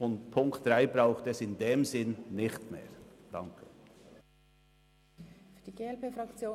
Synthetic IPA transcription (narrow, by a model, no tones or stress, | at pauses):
ʊntpʰʊŋktd̥ʁaɪbɾaʊxtɛsɪndeːmzɪnnɪχtmḛːɾd̥ɑ̰ŋkʰə | fyːɐd̥iɡeːɛlpeːfɾɑkt͡sjoː